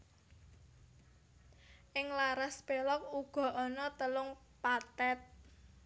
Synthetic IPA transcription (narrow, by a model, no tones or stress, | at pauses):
ʔɪŋlaɾaspelɔk̚uɡ̥ɔ̤ʔɔnɔt̪əlʊŋ | pat̪ɛt̪̚